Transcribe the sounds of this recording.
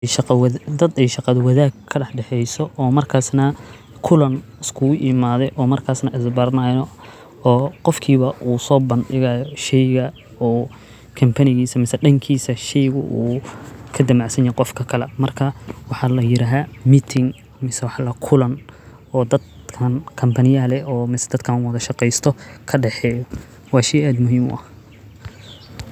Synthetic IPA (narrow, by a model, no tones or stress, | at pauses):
ʃɑqɐd̪ɐd̪ɛjʃɑqɑðʊwɑðaːɡkʰːɐɖɑħɖɛħɛjsɔɔːmɐrkʰaːsnɐ | kʰʊlɐnɪskʰuːʔɪmaːðɛjʔɔːmɐrkʰaːsnɐʔɪsbɐɾnaːjnɔ | ɔːqɔfkʰiːβɐʔuːsɔːbɐnɖɪɣaːjɔʃɛjɣɐ | ɔː | kʰɐmpʰɐnɪɣiːsɐmɪsɐɖɐŋkʰiːsɐʃɛjɣʊ̰ʔuːkʰɐd̪ɐmaʕsɐnjɛqɔfkʰɐkʰɐlɛ̰mɐrkʰɐwɑħɑlɐjɪɾaːɦaːmiːt̪ʰɪŋ | mɪsɛwɑħlɐkʰʊlɐn | ɔːd̪ɐd̪ | kʰɐnkʰɐmpʰɐnɪjɐlɛɔːmɪsɛ̥d̪ɐd̪kʰɐnwɐðɐʃɑqɛjst̪ʰɔkʰɐɖɛħɛːjɔ | wɑːʃɛjaːd̪mʊɦiːmwʔɐ̰